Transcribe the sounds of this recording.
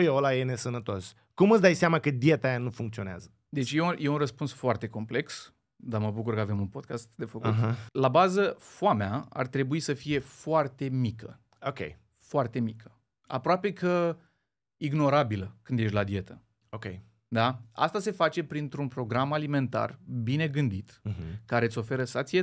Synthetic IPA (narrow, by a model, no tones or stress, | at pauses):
ujolajene̞sənət̪o̞s | kumɨt̪sd̪ajseamakəd̪ie̞t̪ajanufuŋkt̪sio̞nea̰zə | d̪e̞t͡ʃʲjeuje̞unrəspunsfoart̪e̞ko̞mple̞ks | d̪aməbukurkəave̞munpo̞d̪̚kast̪̚d̪e̞fəkutɦlabazəfoameaa̰rt̪ɾe̞buisəfije̞foart̪e̞mikə | okʲḛj | foart̪e̞mikʰə̥ | a̰pɾoape̞kə | iɡno̞ɾabiləkɨnd̪je̞ʃt̪ʲlad̪ie̞t̪ə | okʲej | d̪aa̰st̪ase̞fat͡ʃe̞pɾint̪ɾunpɾo̞ɡɾamalime̞nt̪a̰rbine̞ɡɨnd̪it̪̩ɦkaɾe̞t̪sʲo̞fe̞ɾəsat̪sije